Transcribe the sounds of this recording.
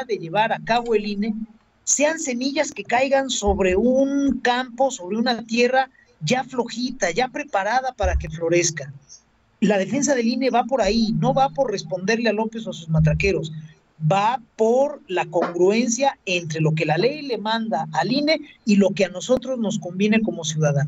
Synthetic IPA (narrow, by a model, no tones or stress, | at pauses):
ðe̞ʝe̞β̞aɾakaβo̞eline̞ | se̞anse̞miʝaske̞kajɣanso̞βɾe̞uŋkampo̞so̞β̞ɾe̞unat̪je̞ra | ʝaflo̞xit̪aʝapɾe̞paɾað̞apaɾake̞flo̞ɾe̞ska | lað̞e̞fe̞ns̬að̞e̞line̞βapo̞ɾaino̞βapo̞ɾre̞spo̞nd̪e̞ɾlealo̞pe̞swasuzmat̪̬ɾake̞ɾo̞s | bapo̞ɾlako̞ŋɡɾue̞nsjae̞nt̪ɾe̞lo̞k̬e̞lale̞jle̞mãnd̪aʔːline̞ilo̞ke̞ano̞so̞t̪ɾo̞zno̞sko̞mbje̞ne̞ko̞mo̞sjuðaðano